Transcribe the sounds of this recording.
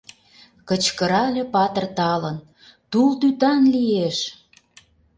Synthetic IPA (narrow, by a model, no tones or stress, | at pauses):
kə̆t͡ɕkəɾɑlʲĕpɑt̪ə̆rt̪ɑlən | t̪ult̪yt̪ɑnlieʃ